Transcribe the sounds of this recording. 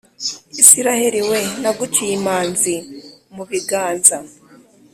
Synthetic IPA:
isiɾaheɾiwe̞naɡut͡ʃijimaːnzimuβiɡaːnza

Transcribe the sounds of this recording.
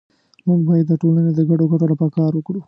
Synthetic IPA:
muŋɡbɑjad̪ːəʈolaned̪əɡaɖoɡaʈoɽopəkɑɾwəkɽu

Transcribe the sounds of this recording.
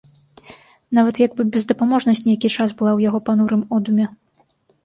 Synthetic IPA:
navɐt̪jaɡbɨbʲɛzd̪ɐpamɔʐnɐsʲt͡sʲnʲɛjakʲit͡ʂasbɨlˠawjaɣɔpanuɾɨmɔd̪umʲɛ

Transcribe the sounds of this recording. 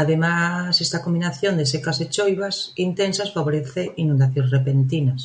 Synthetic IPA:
aðemasest̪akombinaθjond̪esekaset͡ʃojβasint̪ensasfaβoɾeθeʔinũnd̪aθjõnsrepent̪inas

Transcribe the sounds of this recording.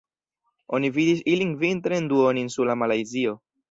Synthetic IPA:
o̞nividis̬iliŋvintɾenduoninsuɾlamalajzio̞

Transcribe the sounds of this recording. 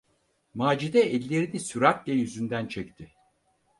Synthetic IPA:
maːd͡ʒid̪ɛɛlʲːeɾid̪ɛsyɾak̪lʲɛjyzynd̪ænt͡ʃʰɛct̪ʰɪ

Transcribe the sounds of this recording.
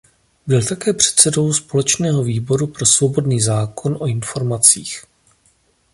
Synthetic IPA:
bɪlt̪akɛːpr̝̥ɛ̥t̪t͡sɛdo̞wspo̞lɛt͡ʃnɛːɦo̞viːbo̞ɾupɾo̞svo̞bo̞dniːzaːko̞nʔo̞ɪnfo̞ɾmat͡siːx

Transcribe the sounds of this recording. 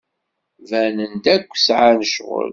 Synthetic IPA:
vænənd̪ækʷːsʕanəʃʁʊ̰l

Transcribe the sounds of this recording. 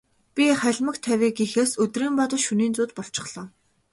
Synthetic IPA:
pʲiχæɮʲmə̆kt̪ʰːæwʲiːkixeːsɵt̪riːmpɔt̪ɞ̆ʃuniːnt͡suːt̪pɔɬt͡ɕɪ̆χɮ̥ɔː

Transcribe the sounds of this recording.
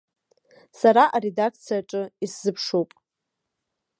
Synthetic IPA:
saɾaʔaɾe̞dakʰt͡sʰijaʈ͡ʂʼɨiszɨpʰʂowpʼ

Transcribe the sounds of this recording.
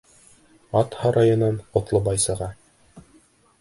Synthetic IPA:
ɑt̪hɑɾʔɑjɤ̆nɑnqŏt̪lˠɤbɑjsɤ̆ʁɑ

